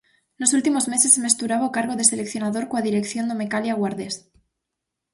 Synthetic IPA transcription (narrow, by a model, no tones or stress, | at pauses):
no̞sult̪imo̞zme̞se̞seme̞st̪uɾaβokaɾɣoðe̞se̞le̞kθjo̞naðo̞ɾkwaðiɾe̞kθjo̞nd̪omekaljaɣwaɾðes